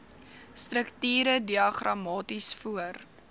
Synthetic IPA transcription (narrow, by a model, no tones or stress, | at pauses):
stɾəktiːɾədiɐχrɐmɑːtisfuər